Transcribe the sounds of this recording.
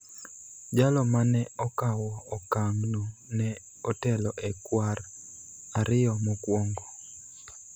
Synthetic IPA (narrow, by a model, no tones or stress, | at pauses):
d͡ʒalɔmanɛɔkawɔːkaŋnunɛ | ɔtɛlɔʔɛkwar | aɾɪjɔmokwɔŋɡɔ